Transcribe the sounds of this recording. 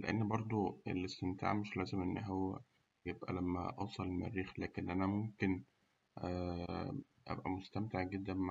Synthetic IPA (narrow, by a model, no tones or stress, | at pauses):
leʔenːbɑɾˤd̪ˤoḛlʔest̪emt̪ʰa̰ːʕmeʃlæːzemʔenːɦowːæ̰ | jebʔæ̰læmːæ̰ʔɑwsˤɑlma̰rːiːxlæːkenʔænæmomken | ʔæ | ʔæ̰bʔæ̰most̪æmt̪eʕɡed̪ːænma